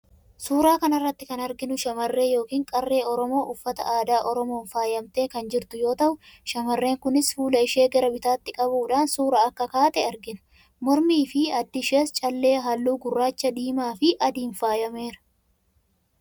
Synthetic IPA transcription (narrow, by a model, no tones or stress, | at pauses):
suːɾaːkɐnɐrːɐt̪ːɪkɐnɐɾɡɪnʊʃɐmɐrːe̞ːjo̞ːkiːŋkʼɐrːe̞ːɔɾɔmo̞ːʔʊfːɐt̪ɐ̰ʔaːd̪aːʔɔɾɔmo̞ːnfaːjɐmt̪e̞ːkɐnd͡ʒɪɾt̪ʊjo̞ːt̪ɐʔʊʃɐmɐrːe̞ːŋkʊnɪsfuːlɐɪʃe̞ːɡɛɾɐbɪt̪aːt̪ːɪkʼɐβuːᶑaːnsuːɾaːɐkːɐkaːt̪ɛɐɾɡɪnʊ̥ | mɔɾmiːfɪɐd̪ːɪʃeːst͡ʃʼɐlːe̞ːɦɐlːuːɡʊrːaːt͡ʃːɐd̪iːmaːfɪʔɐd̪iːnfaːjɐme̞ːɾɐ̥